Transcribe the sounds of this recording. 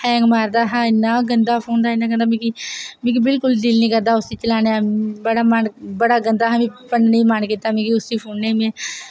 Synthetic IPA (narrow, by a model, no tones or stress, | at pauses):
hɛ̃ːŋɡmaːɾd̪aːɦãːɪnːaːɡənd̪aːpʰoːnd̪aːɪnːaːɡənd̪aːmẽːkimẽːkibɪlkʊld̪ɪlnĩːɡəd̪aːʊsiːt͡ʃəlaːneabəɽaːmanbəɽaːɡənd̪aːɦaːmẽːpənneiːmankit̪ːaːmẽːkiːʊsiːpʰoːnnemẽː